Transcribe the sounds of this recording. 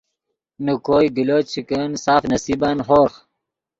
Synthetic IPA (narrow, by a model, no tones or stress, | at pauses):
nukoːjɡiloːt͡ɕʰikənsaːfnɐsiːbanɦoːɾx